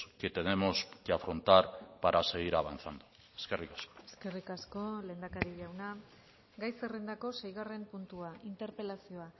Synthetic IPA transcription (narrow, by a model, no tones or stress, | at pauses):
ket̪ene̞mo̞skeafɾo̞nt̪aɾpaɾʔase̞ɣ̞iɾaβa̰nθand̪u | e̥ske̞rikḁsko̥eske̞rikasko̞le̞ːnd̪akaɾiʎawna | ɡajse̞re̞nd̪ako̞se̞jɣ̞are̞mpunt̪uaʔint̪e̞ɾpe̞lasio̞a